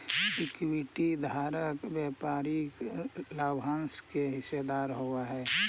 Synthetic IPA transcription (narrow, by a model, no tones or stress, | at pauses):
ɪkwiʈid̪ʱaːɾəkbjɛːpaːɾi | laːbɦãnskeɦɪsed̪aːɾɦoaɦɛː